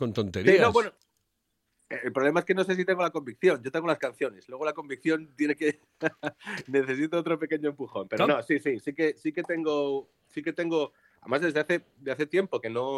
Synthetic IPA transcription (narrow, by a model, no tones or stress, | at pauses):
kont̪ont̪eɾsinoβweno | lpɾole̞maeske̞no̞se̞s̬it̪e̞ŋɡo̞lako̞mbik̚θjo̞ɲɟo̞t̪eŋɡolaskan̟θjo̞ne̞slwe̞ɣ̞olako̞mbik̚θjo̞nt̪jeneke̞ | ne̞θe̞sit̪oot̪ɾo̞pe̞ke̞ɲoempuxo̞mpeɾnosisisike̞sike̞t̪e̞ŋɡo | sike̞t̪e̞ŋɡo̞ | aðemazðe̞zðeaθe̞ | d̪eaθe̞t̪je̞mpo̞ke̞no̞